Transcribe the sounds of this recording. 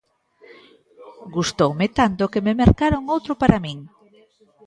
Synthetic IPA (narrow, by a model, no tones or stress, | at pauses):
ɡust̪owmet̪ant̪okememeɾkaɾoŋowt̪ɾopaɾamĩŋ